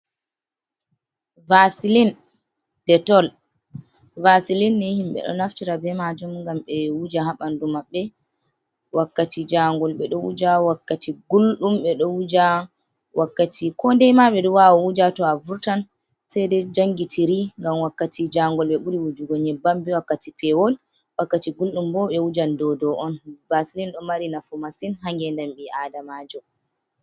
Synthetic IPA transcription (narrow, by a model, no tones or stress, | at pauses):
vasilin | d̥ɛtɔl | vasilinːihimɓɛ̰ɗɔ̰naftiɾabɛmad͡ʒumŋɡamɓɛwud͡ʒaɦaɓandumaɓːɛ | wakːatid͡ʒaŋɡɔlɓɛɗɔwṵd͡ʒawakːatiɡulɗumɓɛɗɔwud͡ʒa | wʔakːatʰikʰɔndɛjmaɓɛdɔwawɔwud͡ʒatɔavuɾtan | sɛjdɛd͡ʒaŋɡitʰiɾiŋɡamwakːatʰid͡ʒaŋɡɔlɓɛɓuɾiwud͡ʒuɡɔɲɛbambiwakːatipɛwɔl | wakːatiɡulɗumbɔɓɛwud͡ʒandɔdɔʔɔnbasilinɗɔmaɾinafumasinɦaŋɡɛndɛmɓiʔadamaːd͡ʒɔ